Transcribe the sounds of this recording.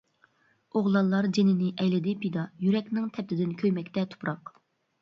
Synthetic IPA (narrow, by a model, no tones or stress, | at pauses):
oʁlˠɑlˠːɑɾd͡ʒenɪnɪʔɛjlɪd̪ɪpʰid̪ɑjyɾɛkʲnɪŋt̪ʰɛp̚t̪ʰɪd̪ɪnkʲʰøjmɛkʲt̪ɛt̪ʰu̥pɾɑq